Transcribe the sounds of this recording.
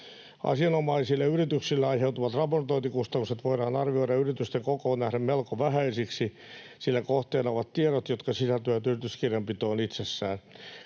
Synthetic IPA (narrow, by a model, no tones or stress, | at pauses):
ɑ̰siɑnomɑisilːeyrit̪yksilːæɑiheut̪uʋɑt̪rɑport̪oint̪ikust̪ɑnːukset̪ʋoiɾɑːnɑrʋioiɾɑyrit̪yst̪eŋkokoːnnæhɾemmelkoʋæhæisiksi | silːækoht̪eːnɑoʋɑt̪t̪ieɾot̪jot̪kɑsisælt̪øææt̪yrit̪yskirjɑmpit̪oːnit̪sesːæːn